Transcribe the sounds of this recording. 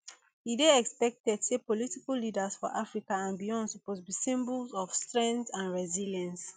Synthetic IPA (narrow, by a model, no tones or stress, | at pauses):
hideɛkspɛk̚tɛdsepɔlitikallidasfɔ̰ʔafɹikaãnbijɔ̃nsupotbisĩmbulzɔfstɹɛ̃ŋtãnɹɛziljãns